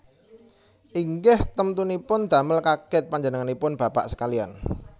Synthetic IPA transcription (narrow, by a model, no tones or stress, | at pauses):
ʔiŋɡɪht̪əmt̪unipʊnd̪̥a̤məlkakɪt̪̚paɲd͡ʒənəŋanipʊnb̥ä̤pa̰ʔsə̥kalian